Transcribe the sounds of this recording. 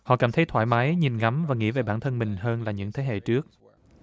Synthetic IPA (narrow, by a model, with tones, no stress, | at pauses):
hɔ̰˧˨kaː˧˩mt̪ʰə˨˦jt̪ʰwaː˧˩jmaː˨˦jɲi˨˩nŋa˨˦mvaː˨˩ŋḭ˧˥ve˨˩ɓaː˧˩nt̪ʰə˧nmï˨˩ŋ̟ɦəː˧nlaː˨˩ɲɨ̰˧˥ŋt̪ʰe˨˦ɦḛ˧˨t͡ɕɨ˦˥ək̚